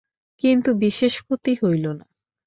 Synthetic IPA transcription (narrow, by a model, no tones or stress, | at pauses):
kint̪ubiʃeʃkʰot̪iɦojlona